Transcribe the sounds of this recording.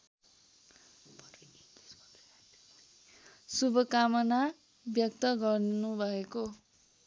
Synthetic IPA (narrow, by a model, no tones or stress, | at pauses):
subʱʌkamʌna | bjʌk̚t̪ʌɡʌrnubʱʌeko